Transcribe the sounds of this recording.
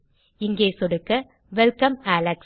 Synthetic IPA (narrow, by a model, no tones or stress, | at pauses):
ɪŋɡeːsɔɽɯkːɐ | ʋɛlkɐmaːlɐks